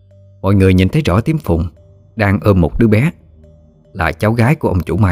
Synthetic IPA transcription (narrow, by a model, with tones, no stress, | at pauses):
mɔ̰˧˨jŋɨ˨˩əjɲḭ˨˩nt̪ə˨˦jzɔ̰˧˩t̪i˨˦əmfʊ˨˩ŋ͡m | ɗaː˧ŋʔəː˧mmo˨˩t̚ɗɨ˧˦əɓɛ˨˦ | laː˨˩t͡ɕa˨˦wɣaː˨˦jku˧˩əʔə˧wŋ͡mt͡ɕṵ˧˩maː˧˦